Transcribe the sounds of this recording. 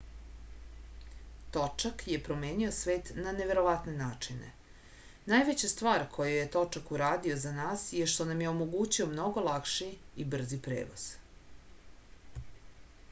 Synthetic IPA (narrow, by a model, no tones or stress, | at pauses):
t̪o̞t͡ʃakje̞pɾo̞me̞ːnio̞sʋe̞ːt̪naneʋe̞ɾo̞ʋat̪ne̞naːt͡ʂine̞̰ | naːjʋet͡ɕast̪ʋaːɾkʰo̞juje̞t̪o̞t͡ʂakuɾaːd̪io̞zanaːsjeʃt̪onamje̞o̞mo̞ɡuːt͡ɕio̞mno̞ɡo̞lakʃiibr̩zipɾḛːʋoz̥